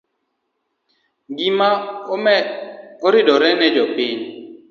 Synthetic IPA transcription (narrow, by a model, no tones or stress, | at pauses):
ɡima | oɾɪdɔɾɛnɛd͡ʒɔpɪɲ